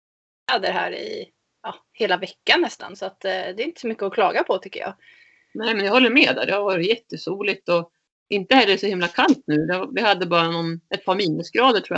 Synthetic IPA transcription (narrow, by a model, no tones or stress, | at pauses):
had̪ːəɾɛɦæ̰ːɾɪ̰ | ɑ | heːlavɛkːanːɛst̪ʰa̰nsɔat̪d̪ɛɾɪnt̪əsɔmʏkːəɔkʰlɑ̰ːɡapʰɔt̪ʰʏkːə̰jɑ̰ːɡ | nɛːmɛnjɑhɔlːəɾmeːd̪æ̰d̪ɛhaɾvɑːɾɪt̪jɛt̪ːəsuːlɪt̪ɔ | ʔɪnt̪əhɛlːəʂɔhɪmlakʰant̪̚nʉ̟ːd̪ɛvɪhad̪ːəbɑːɾanɔnʔɛt̪̚pʰɑːɾmiːnːʉsɡɾɑːd̪əʈʰɾuːj